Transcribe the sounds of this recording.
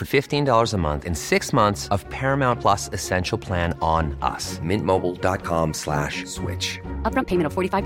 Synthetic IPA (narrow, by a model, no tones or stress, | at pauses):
fə˞fɪftĩndɔlˠə˞zəmʌ̰̃nθɨ̃nsɪksmʌ̃nθsʌv̥pʰɛɹɨmãʊ̃npʰl̥ʌsɨsɛ̃nʃl̩ˠpʰl̥æ̃nə̃nʔʌ̰smɪ̃nmoʊbl̩ˠdɑt̚kʰɑ̃mslæ̰ʃswɪ̰t͡ʃʌp̚ɹʌ̃npʰeɪmɨ̃ntfɔɹɾifaɪv